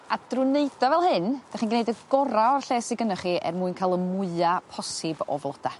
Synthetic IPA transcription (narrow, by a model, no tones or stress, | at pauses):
ad̥rʊneɨdɔvɛlˠhɨnd̥aχinɡnejdəɡɔɾaɔrɬeːsɪɡənɔχiʔɛ̰rmuːɨnkʰalˠəmʊɨapʰɔsɪbɔ̰vlˠɔd̥a